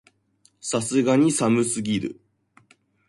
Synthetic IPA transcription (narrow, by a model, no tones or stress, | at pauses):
sasɨɡaɲ̟isamɯ̟sɨɡʲiɾɯ̟̰